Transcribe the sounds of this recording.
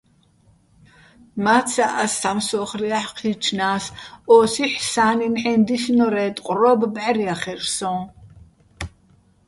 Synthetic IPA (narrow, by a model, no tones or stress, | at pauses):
mat̪t͡sʰaʔast̪ʰamsɔχriaħqʰit͡ʃʰnaːsɔːsiħsaːninħɛnd̪iʃnɔɾɛːt̪ʼqʼrɔbbʕaɾiaχɛrsɔ̃